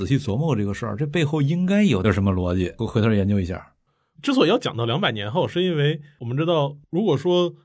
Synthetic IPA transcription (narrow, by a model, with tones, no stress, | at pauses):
ɕi˥˩t͡swɔ˧˥mɔ˥˧ə˧ʈ͡ʂɤ˥˩ɡə˩ʂə̰˞˥˧˩ʈ͡ʂɤ˥˧pe˥˧ɪxo˥˩ʊi˥ŋka˥ɪjo˨˩ʊə˩ʂ̬ə˧˥nmə˧lwɔ˧˥t͡ɕjɛ˨˩˦xʰə˞˥˩jɛ˧˥nt͡ɕjo˧˥ʊi˧˥ɕja̰˥˩ | ʈ͡ʂɻ̩˥t͡sʰɔ˧˩˥jɑ˥˩ʊt͡ɕɑ˨˩ŋt̪ɑ˥˩ljɑ˧˥ŋpa˨˩ɪnjɛ˧˥nxo˥˧ʊʂɻ̩˥˧i˥nwe˥˩ɪwɔ˨˩mə˦nʈ͡ʂɻ̩˥t̪ɑ˥˩ʊɻu˧˥kwɔ˨˩ʂwɔ˥